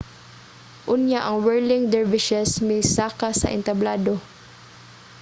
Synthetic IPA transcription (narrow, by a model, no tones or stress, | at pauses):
ʔʊnjaʔɐŋwɛɹlɪŋd̪ɛɹvɪʃɛsmɛjsaːkasɐ̰ʔɪ̰nt̪ɐblaːd̪o